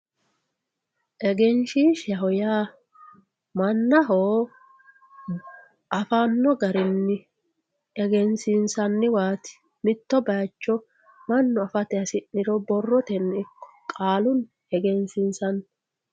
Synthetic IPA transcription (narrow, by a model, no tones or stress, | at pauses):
ʔɛɡɛnʃiʃɐɦɔjaː | mɐnːɐɦoː | ʔɐfanːɔɡɐɾɪnːɪ | ɛɡɛnsɪnsɐnːɪwaːt̪ɪ̥ | mɪt̪ːɔbɐjt͡ʃːɔ | mɐnːɔɐfɐt̪ɛɐsɪnːɪɾɔbɔrːɔt̪ɛnːɪkːɔ̥kʼaːlʊn | hɛɡɛnsɪnsɐn